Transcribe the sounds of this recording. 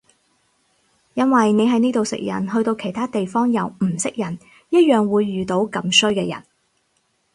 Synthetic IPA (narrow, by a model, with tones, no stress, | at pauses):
jɐ˥nwɐ˨jne˨˧jɦɐ˨˧jniː˥t̪o˨˧wsɪ̰˨k̚jɐ̰˨˩nɦɵ˧ɥt̪o˧wkʰe˨˩jt̪ʰaː˥t̪e˨jfɔː˥ŋjɐ˨˧wm̩˨˩sɪ˥k̚jɐ˨˩n | jɐ˥t̚jœː˨ŋwuː˨˧jːyː˨˩t̪o˨˥wkɐ˨˧msɵ˥ɥkɛː˧jɐ̰˨˩n